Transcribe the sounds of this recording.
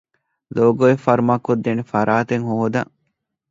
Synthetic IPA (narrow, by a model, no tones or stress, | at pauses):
loːɡoefɐɾmakːod̪ːenefɐɾʔaːt̪eŋɦoɦod̪ɐ